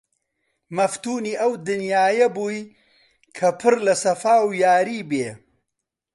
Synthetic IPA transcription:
mɐft̪uːniːɐwd̪ɨnjaːjɐbuːj | kʰɐpʰɨɾlɐsɐfaːwjaːɾiːbeː

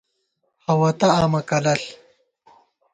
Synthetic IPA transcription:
hɐwɐt̪ɐaːmɐkɐlɐɬ

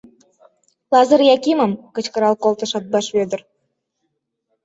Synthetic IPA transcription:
lɑzəɾjɑkiməmkə̆t͡ɕkəɾɑlkolt̪ə̆ʃɑt̪̚bɑʃβød̪ə̆r

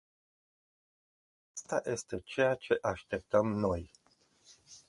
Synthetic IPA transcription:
ast̪ajʔe̞st̪e̞t͡ʃe̞jat͡ʃe̞ʔaʃt̪e̞p̚t̪əmno̞j

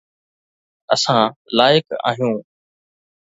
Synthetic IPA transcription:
əsãːlaːɪka̰ːɦijũː

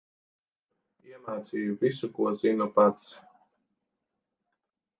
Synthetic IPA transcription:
iɛmaːt̪siːjuvisukuɔz̥inɔpat̪s

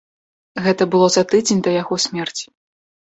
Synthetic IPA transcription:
ɣɛt̪ɐbɨlˠɔzat̪ɨd͡zʲenʲd̪ɐjaɣɔsʲmʲɛrt͡sʲi̥

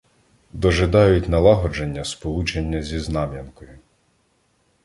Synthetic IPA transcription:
d̪ɔʒed̪ɑjʊtʲnɐlˠɑɦɔd͡ʒenʲːɐspɔlˠut͡ʃenʲːɐzʲiznɑmʲjɐnkɔjʊ

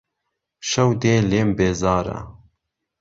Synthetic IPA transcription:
ʃɐwd̪eːleːmbeːzɑːɾɐ̰

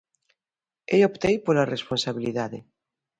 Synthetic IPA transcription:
ejopt̪ejpolaresponsaβ̞iliðaðe

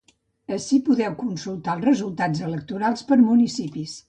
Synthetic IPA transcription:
əʃipuðɛwkunsulˠt̪alˠzrəzulˠt̪azələk̚t̪uɾalˠspəɾmunisipis

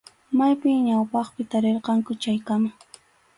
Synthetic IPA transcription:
majpɪjɲawpɑχpɪt̪aɾeɾqɑŋkʊt͡ʃajkama

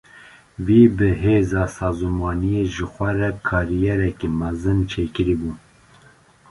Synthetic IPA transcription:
viːbɨɦeːzɑːsɑːzumɑːnijeʒɨxʷɛɾɛkʰɑːɾijɛɾɛkemɛzɨnt͡ʃʰeːkɨɾibuː

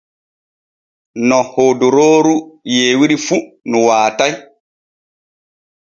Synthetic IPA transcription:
nɔhoduɾoːɾujeːwiɾifu | nuwaːtaj

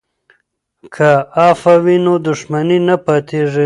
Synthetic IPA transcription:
kʰaɑfawinod̪ʊʂmaninapat̪ʰeʐi

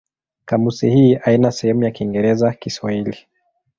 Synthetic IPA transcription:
kamusihiːainasɛhɛmujakiŋɡɛɾɛzakiswahili

